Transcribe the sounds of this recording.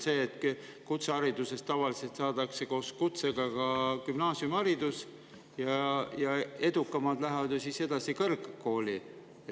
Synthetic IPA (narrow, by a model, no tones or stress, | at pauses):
se̞ːt̪ː | kut̪seɑɾid̪use̞st̪ɑvɑlise̞lt̪sɑːd̪̥ɑkseko̞ːskut̪seɡ̥ɑkɑkymnɑːsjumɑɾid̪us | jɑjɑe̞d̪ukːˑɑmɑd̪̥læɦvɑd̪̥jusise̞d̪̥ɑsikɤrɡkːo̞ːli | e